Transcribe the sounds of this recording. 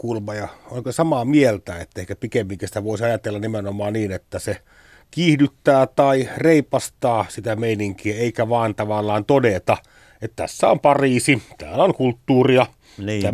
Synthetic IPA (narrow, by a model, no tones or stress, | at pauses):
kulmɑjɑoŋkosɑmɑmielt̪æːet̪ːæehkæpikemːiŋkisi̥t̪æʋoˑisɑjɑt̪elːɑnnimenomˑɑːnniːnet̪ːæse | kiːhdyt̪ːæːt̪ɑireipɑst̪ɑːsit̪æmeiniŋkiæeikæʋɑˑːnt̪ɑʋɑlːˑɑːnt̪odet̪ɑ | et̪t̪æ̰sːæompɑriːsit̪æ̰ːlæoŋkult̪ːuːriɑ | t̪æ